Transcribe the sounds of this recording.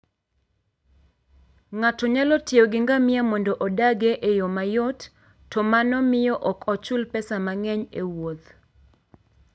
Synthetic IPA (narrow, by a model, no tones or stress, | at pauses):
ŋatɔɲalɔtɪɔɡɪŋɡamɪamɔndɔʔɔdaɡeʔejomajɔtː | ɔmanɔmɪjɔʔɔkʰɔt͡ʃʊlpɛsamaŋɛɲewot̪